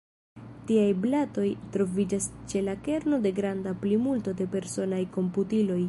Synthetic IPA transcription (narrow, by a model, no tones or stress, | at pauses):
tiajblato̞jtɾo̞vid͡ʒast͡ʃe̞lake̞ɾno̞de̞ɡɾandaplimulto̞de̞pe̞ɾso̞najko̞mputilo̞j